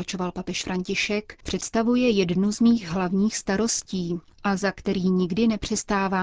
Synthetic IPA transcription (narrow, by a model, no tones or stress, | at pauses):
at͡ʃo̞valpapɛʃfɾʔaɲcɪʃɛkpr̝̥ɛt̪st̪avujɛjɛdnuzmiːɣɦlavɲiːxst̪aɾo̞sciː | ʔazakt̪ɛɾiːɲɪɡdɪnɛpr̝̥ɛst̪aːvaː